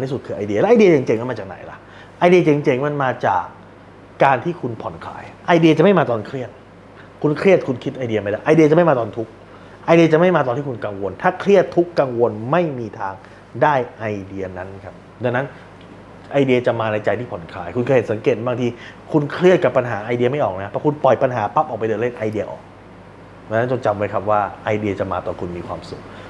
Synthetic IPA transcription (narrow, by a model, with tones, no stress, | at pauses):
ntʰiː˥˩su˨˩t̪̚kʰɯː˧ʔa˧jdi˧ɐlɛ˦˥ʔjdi˧ɐt͡ɕe˨˩ŋt͡ɕe˧ŋma˧˨nmaː˧t͡ɕaː˨˩k̚na̰˩˦jla̰˦ | ʔa˧jdi˧ɐ˧t͡ɕe˧˩ŋt͡ɕe˧˩ŋma˧nmaː˧t͡ɕa̰ː˨˩k̚ː | aː˧nt̪ʰiː˥˩kʰu˧npʰɔ˨˩˦nkʰla̰ː˧jʔa˧jdi˧ɐt͡ɕa˨ma˥˩jmaː˧t̪ɔː˧nkʰɾi˥˩ət̪̚ | kʰu˧nkʰɾi˥˩ət̪̚kʰu˧nkʰi˦˥t̪̚ʔa˧jdi˧ɐma˥˩jdaː˥˩ʔa˧jdi˧ɐt͡ɕa˨ma˥˩jmaː˧t̪ɔː˧nt̪ʰu˦˥k̚ | ʔa˧jdi˧ɐt͡ɕa˨˩ʔma˥˩jmaː˧t̪ɔː˧nt̪ʰiː˥˩kʰu˧nka˧ŋwo˧nt̪ʰaː˥˩kʰlɾi˥˩ət̪ʰːu˦˥kːa˧ŋwo˧nma˥˩jmiː˧t̪ʰaː˧ŋ | daː˥˩jʔa˧jdi˧ɐna˦˥nkʰa˦˥p̚ | daː˧ŋna˦˥n | ʔa˧jdi˧ɐ˧t͡ɕa˨˩maː˧na˧jt͡ɕa˧jt̪ʰiː˥˩pʰo˩˦nkʰaː˧jkʰu˧nkʰa˧˩he˩˦nsa˩˦keː˨˩t̪̚baː˧ŋt̪ʰiː˧kʰu˧nkʰɾi˥˩ət̪̚ka˨˩pːa˧nɦaː˩˦ʔa˧jdi˧ɐma˥˩jʔɔː˨˩k̚na˦˥pʰɛː˧˥kʰu˧npɔ˨˩jpa˧nɦaː˩˦pa˦˥p̚ʔɔː˨˩pa˧jdɤː˧le˥˩nʔa˧jdi˧ɐʔɔ̰ː˨˩k̚ | aː˧na˦˥nt͡ɕo˧t͡ɕa˧mwa˦˥jkʰa˦˥p̚waː˥˩ʔa˧jdi˧ɐt͡ɕa˨˩maː˧t̪ɔː˨˩kʰu˧nmiː˧kʰwaː˧msu˨˩k̚